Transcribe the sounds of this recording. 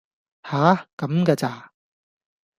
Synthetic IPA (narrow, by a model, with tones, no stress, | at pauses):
haː˨˦kɐ˨˦mkaː˧t͡saː˨˧